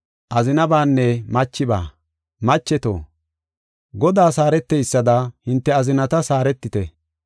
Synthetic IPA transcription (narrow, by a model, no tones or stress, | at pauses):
ʔɐzɪnɐbaːnːɛmɐt͡ʃːɪba̰ː | mɐt͡ʃːɛt̪o̰ː | ɡɔd̪aːsaːɾɛt̪ːɛjsːɐd̪ɐhɪnt̪ːɛɐzɪnɐt̪ɐsaːɾɛt̪ːɪt̪ɛ